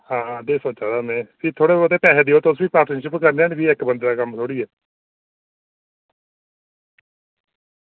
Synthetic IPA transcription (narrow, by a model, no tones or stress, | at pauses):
hãːd̪eːsoːt͡ʃaːd̪aːmɛ̃ːpiːt̪ʰoːɽeːət̪̬eːpɛːseːd̪iːoːt̪eʊsʋiːpaːɾʈnəɾʃɪpkəɾneːaːnbiːɪkbənd̪ɾaːkəmt̪ʰoːɽiːɛː